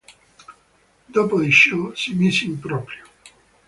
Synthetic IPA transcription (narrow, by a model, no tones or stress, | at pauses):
d̪ɔpoiʃosimisimpɾɔpɾjo